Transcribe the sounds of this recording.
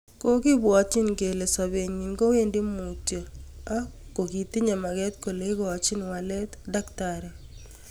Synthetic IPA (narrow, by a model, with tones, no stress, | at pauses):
ko˦kɪ˦bwa˨t͡ʃɪ˦nke˨le˨sa˨be˨ɲi˨nɡo˦we˦ndi˦mu˨tjo˨a˦ko˨ki˨ti˦ɲe˨ma˨kɛ˦tko˨le˦i˦ko˨a˨t͡ʃi˦nwa˨lɛ˦t̪da˦ktaɾɛ˨